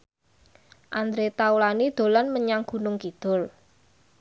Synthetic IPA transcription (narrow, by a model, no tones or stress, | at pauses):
ʔand̪ɾet̪aulanid̪̥o̤lanməɲaŋɡ̥ṳnʊŋkid̪̥ʊ̤l